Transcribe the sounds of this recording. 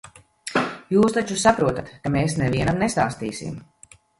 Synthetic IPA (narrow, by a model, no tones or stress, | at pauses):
juːst̪at͡ʃusapɾuɔt̪at̪kameːsnɛviɛnamnest̪aːst̪iːsḭm